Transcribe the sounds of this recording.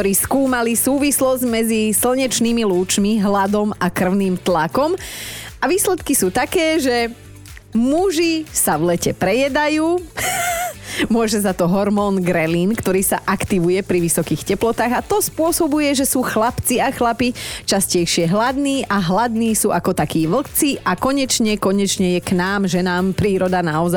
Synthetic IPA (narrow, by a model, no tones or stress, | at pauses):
ɔɾiːskuːmalisuːʋislɔzɟmɛd͡zisl̩ɲɛt͡ʃniːmiluːt͡ʃmiɦlad̪ɔmakr̩ʊniːmt̪lakɔmaʋiːslɛt̪kisuːt̪akɛːʒɛ | muʒisaʋlɛcɛpɾɛjɛd̪ajuː | mʊɔʒɛzat̪ɔɦɔɾmɔːnɡɾɛlinkt̪ɔɾiːsaʔakt̪iʋujɛpɾiʋisɔkiːxcɛplɔt̪aːɣat̪ɔspʊɔsɔbujɛʒɛsuːxlapt͡siaxlapit͡ʃascɛjʃɪɛɦlad̪niːʔaɦlad̪niːsuːʔakɔt̪akiːʋl̩t͡siʔakɔɲɛt͡ʃɲɛkɔɲɛt͡ʃɲɛjɛknaːmʒɛnaːmpɾiːɾɔd̪anaɔza